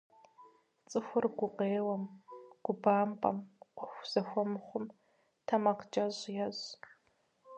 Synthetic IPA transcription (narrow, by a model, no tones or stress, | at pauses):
t͡sʼɨxʷʊrɡʷʊqeːwɐmɡ̥ʷʊbaːmpʼɐ̰mqʷʊxʷz̥ɐxʷɔmɨχʷʊm | tʰɐmɐqd͡ʒʼɐʑjɛʑ